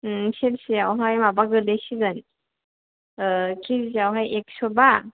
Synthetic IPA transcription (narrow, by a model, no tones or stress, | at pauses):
selsiawɦajmabaɡɯlejsiɡɯn | kʰizzawɦajek̚sɔba